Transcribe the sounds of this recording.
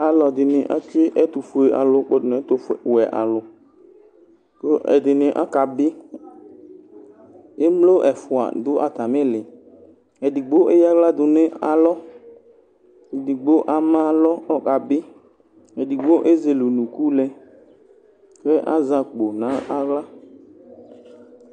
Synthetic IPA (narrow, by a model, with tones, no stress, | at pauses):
a˨lɔ˨dɪ˨nɪ˨ʔa̰˦t͡ʃɪ˦ʔɛ˦t̪ʊ˨fu˨e˨ʔa̰˨lʊ˨˦k͡po˦dʊ˨n˨˦t̪ʊ˨fwɛ˨ʔa̰˨lʊ˨ | ko˦ʔɛ̰˨dɪ˨nɪ̃˨ʔa̰˦ka˨bɪ˦ | e˦mlo˦ʔɛ˨fʊ˨a̰˨dʊ˦ʔa˨t̪a˨mɪ̃˦lɪ˨ | ɛ˨dɪ˨ɡ͡bo˦ʔe˦ja˦ɣla˦dʊ˨nɪ̃˦a˨lɔ˦ | i˨di˨ɡ͡bo˦ʔa˨mã˦lɔ˦ɔ˦ka˨bɪ˦ | ɛ˨di˨ɡ͡bo˦ʔe˦ze˨lo˨nũ˨ku˦lɛ˦ | kɛ˦ʔa˦zã˨k͡po˨nã˨˦a˦ɣla˦